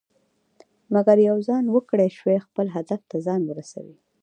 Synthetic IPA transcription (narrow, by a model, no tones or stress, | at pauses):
maɡaɾjawzɑnwəkɽeʃwexpəlɦad̪aft̪azɑnwəɾasa̰wi